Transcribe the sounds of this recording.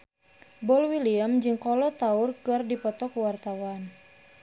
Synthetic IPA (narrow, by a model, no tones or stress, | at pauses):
bɔlwiliəmd͡ʒɨŋkɔlɔt̪aʊrkɨrdipɔt̪ɔkuwart̪awan